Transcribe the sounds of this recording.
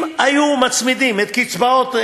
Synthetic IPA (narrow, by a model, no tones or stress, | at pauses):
majumat͡smid̪imet̪̚kit͡sbaot̪